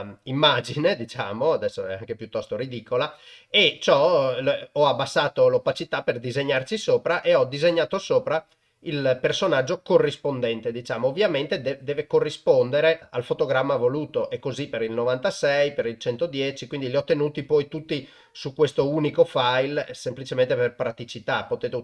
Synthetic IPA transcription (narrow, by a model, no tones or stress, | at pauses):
imːaːd͡ʒined̪it͡ʃa̰ːmoad̪ɛsːoɛ̰a̰ŋkepjut̪ːɔst̪oɾid̪ikolaet͡ʃɔ | ɔabːasːaːt̪olopat͡ʃit̪aperd̪izeɲːart͡ʃisoːpɾaʔeɔd̪izeɲːaːt̪osoːpɾa | ilpersonad͡ʒːokorːispond̪ɛnt̪ed̪it͡ʃaːmoːvːjament̪ed̪ɛd̪ɛːvekorːispond̪eɾealfot̪oɡɾamːavoluːt̪oʔekːozipeɾilnovant̪asɛjpeɾilt͡ʃɛnt̪od̪jɛt͡ʃikwind̪iliɔt̪ːenuːt̪ipɔjt̪ut̪ːi | sukwest̪ouːnikofajlsemplit͡ʃement̪eperpɾat̪it͡ʃit̪apot̪eːt̪e